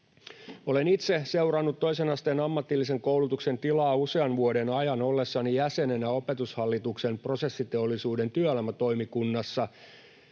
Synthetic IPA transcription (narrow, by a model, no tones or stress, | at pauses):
o̞le̞nit̪se̞se̞urɑnːut̪ːo̞ise̞nɑst̪eːnɑmːɑt̪ːilːis̬eŋko̞wlut̪ukse̞nt̪ilɑːuse̞ɑnʋuode̞nɑjɑno̞lːe̞sːɑnijæse̞ne̞nɑo̞pe̞t̪ushɑlːit̪ukse̞mpro̞se̞sːit̪e̞olːisuːde̞nt̪yølmæt̪o̞imikunːɑsːɑ